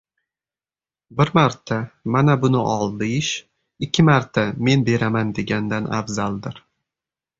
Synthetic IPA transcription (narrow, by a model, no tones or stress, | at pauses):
bɪɾmaɾt̪ʰamanabʊnɪʔɒlˠd̪ɪʃ | ɪkʲʰːɪmaɾt̪ʰame̞nbe̞ɾamand̪e̞ɡʲand̪ana̰fzalˠd̪ɪɾ